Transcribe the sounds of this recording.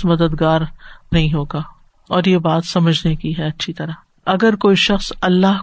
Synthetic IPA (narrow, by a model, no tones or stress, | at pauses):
mɐd̪əd̪ɡaːɾnɐɦĩɦoːɡaː | ɔːɾjebaːt̪sɐməd͡ʒʱnekiɦɛɐtːʃʰit̪ɐɾa | ɐɡəɾkoːiʃɐxsɐlːaɦ